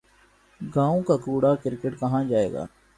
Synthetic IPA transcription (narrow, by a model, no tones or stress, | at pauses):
ɡãːõːkaːkuːɽaːkɪɾkəʈkəɦãːd͡ʒaːḛːɡa̰ː